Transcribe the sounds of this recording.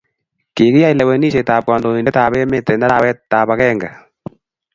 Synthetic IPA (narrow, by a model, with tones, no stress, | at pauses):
ke˨ki˦ja˦jlɛ˨wɛ˨ni˦ʃe˨taː˨p̚kɔ˨ndo˨ni˨ndɛ˦taː˨βɛ˦me˦tːɛ˨nda˦ɾa˦wɛ˦ttːaː˨pa˨kɛ˦ŋɡa˨